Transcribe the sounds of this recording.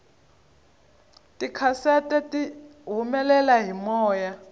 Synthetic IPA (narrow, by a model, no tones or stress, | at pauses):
tʼikʰasɛtʼɛtʼiɦumɛlɛlaɦimɔːja